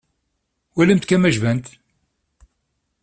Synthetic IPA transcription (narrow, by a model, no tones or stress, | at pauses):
wæləmt̪kæmæʒvænt̪